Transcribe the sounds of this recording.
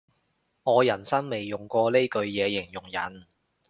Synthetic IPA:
ŋɔː˨˧jɐ˨˩nsɐ˥nme˨jːʊ˨˩ŋkʷɔː˧le˥jkɵ˧ɥjɛː˨˧jɪ˨˩ŋjʊ˨˩ŋjɐ˨˩n

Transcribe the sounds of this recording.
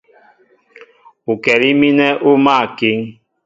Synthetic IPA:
u˨kɛ˨li˦mi˦nɛ˦ʔu˦ma˦˨ki˦ŋ

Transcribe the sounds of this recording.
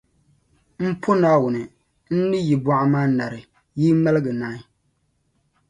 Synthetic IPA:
m̩˦pʰo˦naː˦wʊ˨nɨ˨ | n̩˦nɨ˦ji˨ba˦ʔa˦maː˦na˨ɾɨ˨ | jiː˦ma˦lɡɨ˨naː˦

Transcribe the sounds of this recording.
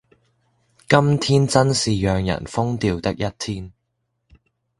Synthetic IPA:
kɐ˥mt̪ʰiː˥nt͡sɐ˥nsiː˨jœː˨˧ŋjɐ̰˨˩nfʊ˥ŋt̪iː˧wt̪ɐ˥k̚jɐ˥t̚t̪ʰiː˥n

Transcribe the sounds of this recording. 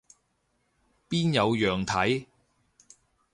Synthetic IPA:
piː˥njɐ˨˧wjœː˨ŋt̪ʰɐ˨˥j

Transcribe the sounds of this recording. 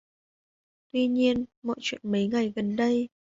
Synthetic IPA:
t̪wi˧ɲi˧ənmɔ̰˧˨jt͡ɕwḭ˧˨ənmə˨˦jŋa˨˩jɣə˨˩nɗə˧j

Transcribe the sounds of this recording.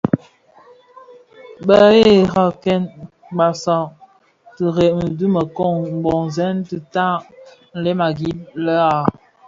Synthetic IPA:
ɓə˨e˦˨ɣa˦˨kɛ˦n | ba˨sa˦˨ | tə˨ɾɛ˨ʔm̩˨du˦mə˨kɔ˦˨ŋm̩˨bɔ˨ŋzɛ˦nti˨ta˦ | n̩˨lɛ˦ma˨ɡi˦p̚lə˦a˨

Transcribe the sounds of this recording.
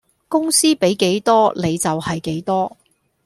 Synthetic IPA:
kʊ˥ŋsiː˥pe˨˥jke˨˥jt̪ɔː˥le˨˧jt͡sɐ˨whɐ˨jke˨˥jt̪ɔː˥

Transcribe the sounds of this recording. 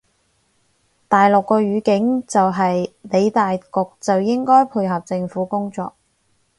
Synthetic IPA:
t̪aː˨jlʊ˨kːɔː˧ɥyː˨˧kɪ˨˥ŋt͡sɐ˨wɦɐ˨jne˨˧jt̪aː˨jkʊ˨k̚t͡sɐ˨wjɪ˥ŋkɔː˥jpʰuː˧jɦɐ˨p̚t͡sɪ˧ŋfuː˨˥kʊ˥ŋt͡sɔ̰ː˨k̚

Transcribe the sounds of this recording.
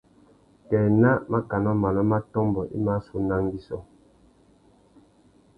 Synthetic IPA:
kɛː˨na˦ma˦ka˨nɔ˦ma˨lɔ˦ma˦tɔ˦mbɔ˨ʔḭ˦ma˦su˦na˦ŋ˦ɡi˦sɔ˦

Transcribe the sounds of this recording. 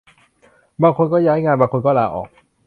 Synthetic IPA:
baː˧ŋkʰo˧nkɔː˥˩jaː˦˥jŋaː˧nbaː˧ŋkʰo˧nkɔː˥˩laː˧ʔɔ̰ː˨˩k̚

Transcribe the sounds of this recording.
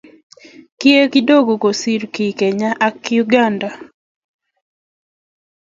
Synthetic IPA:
ki˦e˦ki˦do˦ɡo˨ɡo˨si˦ɾki˨ke˨ɲa˦ʔa˦kju˦ɡa˦nda˨

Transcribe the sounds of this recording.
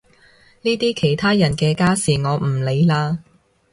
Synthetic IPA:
niː˥t̪iː˥kʰe˨˩jt̪ʰaː˥jɐ˨˩nkɛː˧kaː˥siː˨ŋɔː˨˧m̩˨˩le˨˧jlaː˧

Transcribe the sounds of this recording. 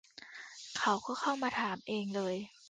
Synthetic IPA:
kʰa˦wkʰɔː˥˩kʰa˥˩wmaː˧t̪ʰaː˩˦mʔeː˧ŋlɤː˧j

